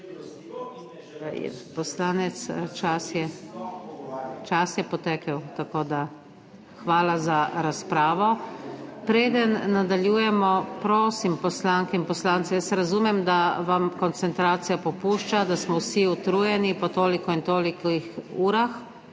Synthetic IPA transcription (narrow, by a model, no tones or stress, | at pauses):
jɛ̰pɔslaːnɛt̪st͡ʃasjɛ | t͡ʃasjɛpɔt̪ɛːkɛwt̪akoːd̪a | xʋaːlazaɾaspɾaːʋɔ | pɾeːd̪ənːad̪aljuːjɛmɔpɾoːsimpɔslaŋkɛinpɔslaːnt̪ɛjəsɾazuːmɛmd̪aʋamkɔnt̪sɛnt̪ɾaːt̪sijapɔpuːʃt͡ʃad̪asmɔwsiut̪ɾuːjɛnipɔt̪oːlikɔint̪oːlikixuːɾax